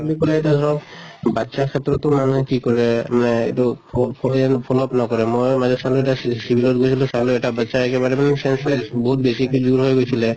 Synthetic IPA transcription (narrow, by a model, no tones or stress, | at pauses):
alukɔlatad̪ʱɔɹɔkbatːsakʰɛt̪ːɹɔtɔmanuɦɛkikɔɹɛmanɛḛjtupʰɔlɛnpʰɔlɔpnɔkɔɹɛmojmazɔsaluɛtasibʱilɔt̚ɡojsʰilũsaluɛʈabatsaɛkɛbaɹɛmanɛsɛnsasbɔɦut̚besiekid͡ʒuɹɦojɡojsʰilɛ